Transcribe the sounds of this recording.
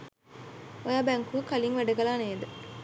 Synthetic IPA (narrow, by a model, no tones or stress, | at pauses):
ojaːbæŋkuəkaliŋʋæɖəɡɐlaːneːd̪ə